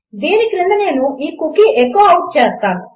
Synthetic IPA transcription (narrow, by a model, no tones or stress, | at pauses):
d̪eːnikinind̪ɐne̞ːnuʔiːkukiʔekːoːɐwʈ̚t͡ʃeːst̪aːnu